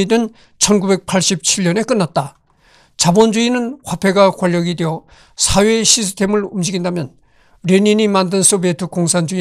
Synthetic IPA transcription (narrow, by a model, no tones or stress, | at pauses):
idɯn | t͡ɕʰʌnɡube̞k̚pʰaɭɕ͈ip̚t͡ɕʰiʎːʌne̞k͈ɯnːat̚t͈a | t͡ɕabʌnd͡ʑuinɯnɸapʰe̞ɡakwaʎːʌɡidejʌ | sʰawe̞ɕʰis̬ʰtʰe̞mɯɭumd͡ʑiɡindamjʌn | ɾeɲiɲimandɯns͈obetʰɯkoŋsʰand͡ʑui